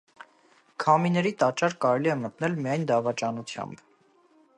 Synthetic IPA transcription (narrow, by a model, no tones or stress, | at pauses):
kʰɑminɛɾit̪ɑt͡ʃɑɾkɑɾɛliɛmət̪nɛlmijɑjnd̪ɑvɑt͡ʃɑnut͡sʰjɑ̰mb̥